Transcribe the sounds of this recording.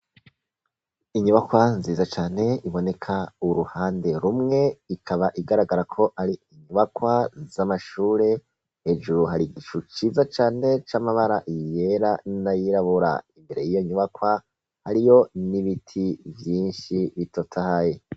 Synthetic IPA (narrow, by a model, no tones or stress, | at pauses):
iɲuβakwanziːzat͡ʃaːne̞iβo̞ne̞kʰauɾuhaːnde̞ɾumŋe̞ikʰaβaʔiɡaɾaɡaɾakʰo̞ʔaɾiːɲuβakwazamaʃuːɾe̞ | he̞ːd͡ʒuɾuɦaɾiɡiʃut͡ʃiːzat͡ʃaːne̞t͡ʃamaβaɾaʔijeɾanajiɾaβuɾa̰imbe̞ɾe̞jijo̞ɲuβakwa | haɾijo̞niβitʰivjiːnʃiβitʰotʰahaje